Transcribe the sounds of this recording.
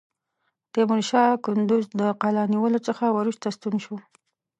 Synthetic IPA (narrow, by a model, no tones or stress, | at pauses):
d̪̥əmʊnʃɑkʊnd̪ʊzd̪əqɑlɑniwəlot͡səxawaɾuʃt̪ast̪unʃu